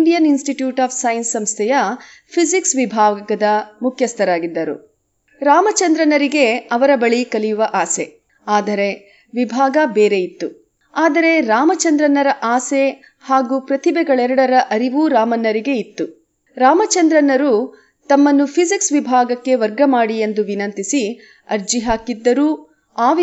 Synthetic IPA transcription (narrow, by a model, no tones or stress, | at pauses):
nɳɖijɐninsʈiʈjuːʈaːpʰsɐjnsːɐmst̪ʰɛjɐ | pʰisiksʋibʱaːɡɐɡɐd̪ɐmukʰjɐst̪ʰɐɾaːɡid̪ːɐɾṵ | ɾaːmɐt͡ʃɐnd̪ɾɐnɐɾiɡe̞ɐʋɐɾɐbɐɭikɐlijuʋɐʔaːse̞ | aːd̪ɐɾe̞ | ʋibʱaːɡɐbeːɾe̞it̪ːu | aːd̪ɐɾe̞ɾaːmɐt͡ʃɐnd̪ɾɐnːɐɾɐʔaːse̞ | haːɡuːpɾɐt̪ibɛɡɐɭɛɾɐɽɐɾɐʔɐɾiʋuːɾaːmɐnːɐɾiɡe̞it̪ːu | ɾaːmɐt͡ʃɐnd̪ɾɐnɐɾu | t̪ɐmːɐnːupʰisiksʋibʱaːɡɐkːe̞ʋɐɾɡɐmaːɽie̞nd̪uʋinɐnt̪isi | ɐɾd͡ʒiɦaːkid̪ːɐɾuː | aːʋ